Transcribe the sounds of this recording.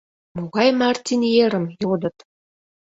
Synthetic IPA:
moɣɑjmɑrt̪ʲinjeɾə̆mjod̪ə̆t̪

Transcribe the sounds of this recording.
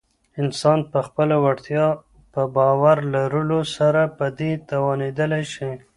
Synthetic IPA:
ɪnsɑnpəxpəlawaɽt̪jɑ | pəbɑwaɾlaɾəlosaɾapəd̪et̪awɑned̪əlajʃi

